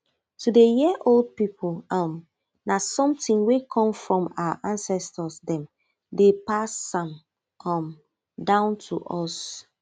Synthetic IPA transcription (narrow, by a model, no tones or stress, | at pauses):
tʰudejiʔold̚pipʰulam | nasɔ̃mtĩŋwekʰɔ̃mfɹɔ̃ma̰a̰ʔãnsɛstɔsdɛ̃m | depasãm | ɔ̃m | dãʊ̃ntʰuʔɔs